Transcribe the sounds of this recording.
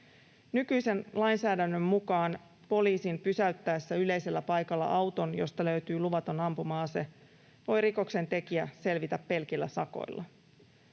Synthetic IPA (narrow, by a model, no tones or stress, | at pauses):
nykyjse̞nlɑjnsæːdænːømːukɑːn | po̞liːsimpysæyt̪ːæesːæyle̞jse̞lːæpɑjkɑlːɑ̰ʔɑwt̪o̞njo̞st̪ɑlø̞yt̪yːluʋɑt̪o̞nɑmpumɑːse̞ | ʋo̞jriko̞kse̞nt̪e̞kiæse̞lʋit̪æpːe̞lk̟ilːæsɑko̞̰jlːʔɑ